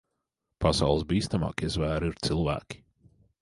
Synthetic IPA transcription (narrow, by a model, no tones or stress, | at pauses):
pasa̰wlˠəsbiːst̪ama̰ːkizvæːɾiɾt̪silˠvæ̰ːkʲi̥